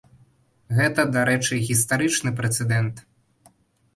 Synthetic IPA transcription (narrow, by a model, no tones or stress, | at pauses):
ɣɛt̪ɐd̪aɾɛt͡ʂɨɣʲist̪aɾɨt͡ʂnɨpɾɛt̪sɛd̪ɛnt̪